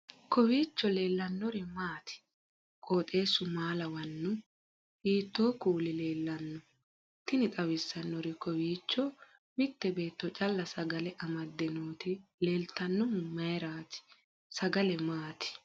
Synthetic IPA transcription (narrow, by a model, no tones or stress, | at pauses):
kɔwiːt͡ʃːɔle̞ːlːɐnːɔɾɪmaːt̪ʰɪ̥ | kʼoːt̪ʼe̞ːsːʊmaːlɐwɐnːʊ | hiːt̪ːo̞ːkʼuːlɪle̞ːlːɐnːɔ | t̪ɪnɪt̪ʼɐwɪsːɐnːɔɾɪkɔwiːt͡ʃːɔ | mɪt̪ːɛbe̞ːt̪ːɔt͡ʃʼɐlːɐsɐɡɐlɛʔɐmɐd̪ːɛnoːt̪ɪle̞ːlt̪ɐnːɔmʊmːɐjɛɾaːt̪ɪ̥ | sɐɡɐlɛmaːt̪ɪ̥